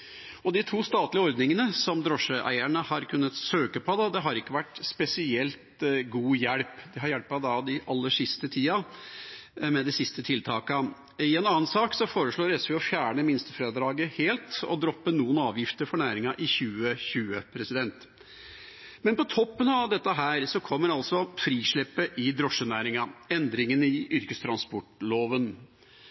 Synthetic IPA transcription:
ɔd̪ɪt̪ʰuːst̪ɑːt̪lɪəɔɾd̪nɪŋənəsɔmd̪ɾɔʂəʔæ̰ɪæɳəhɑɾkʰʉnːət̪søːkəpʰɔd̪ɑd̪ɛɦɑɾɪkːəʋæʈspɛsɪɛlt̪ɡuːjɛɽpd̪ɛɦɑɾjɛɽpɑd̪ɑd̪ɪʔɑlːəʂɪst̪ət̪ʰiːɑ | mɛd̪ɪsɪst̪ət̪ʰɪlt̪ʰɑːkə | ɪɛnɑːənsɑːksɔfoːɾəʂɭoːɾɛsʋɪɔfjæːɳəmɪnst̪əfɾeːd̪ɾɑːɡəheːlt̪ɔ̰d̪ɾɔpːənuːənɑːʋjɪft̪əɾfɔɳæːɾɪŋɑʔɪçʉːəɕʉːəpʰɾɛsɪd̪ɛnt̪ | mɛnpɔt̪ʰɔpːənɑʋd̪ɛt̪ːəɦæːɾsɔkʰɔmːəɾɑlsɔfɾiːʂɭɛpːəʔɪd̪ɾɔʂənæːɾɪŋɑɛnd̪ɾɪŋənɪʔʏɾkəst̪ʰɾɑnspɔʈloːʋən

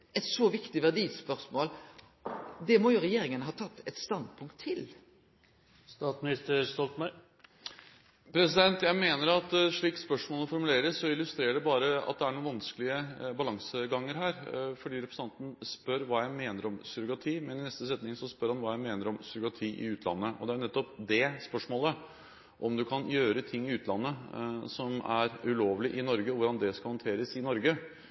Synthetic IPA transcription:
ɛt̪sɔʋɪkt̪ɪʋæʁd̪iːspœɾsmoːl | d̪ɛmɔjʊɾɛjeːɾɪŋənəɦɑːt̪ʰɑt̪ːɛt̪st̪ɑnd̪̚pʰʊŋkt̪ʰːɪl | st̪ɑːt̪smɪnɪst̪əst̪ɔlt̪mæɪ | pʰɾɛsɪd̪ɛnt̪jæɪmeːnəɾɑt̪ːʂɭiːkspœʂmoːlɔfɔɾmʉleːɾəsːɔɪlːʉst̪ɾeːəɖɛbɑːɾəɑ̰t̪̚d̪ɛæɾɳuːnʋɑnskəlɪəbɑlɑŋsəɡɑŋːəɾɦæːɾfɔɖiːɾɛpʰɾəsʰɑnt̪n̩spœɾʋɑːjæɪmeːnəɾɔmsʏɾʊɡɑt̪ʰiːmɛnɪnɛst̪əs̬ɛt̪nɪŋsɔspœɾhɑnʋɑːjæɪmeːnəɾɔmsʏɾʊɡɑt̪ʰiːʔɪ̰ʉːt̪ʰlɑ̰nːəʔɔ̰d̪ɛæɾnɛt̪ːɔp̚d̪ɛspœʂmoːlə | ʔɔmd̪ʉkʰɑnjøːɾət̪ʰɪŋːɪʉːt̪ʰlɑnːəsɔmæɾʉloːʋlɪʔɪnɔɾɡəʋʊɾɑnd̪ɛskɑhɔnt̪ʰeːɾəsɪnɔɾɡə

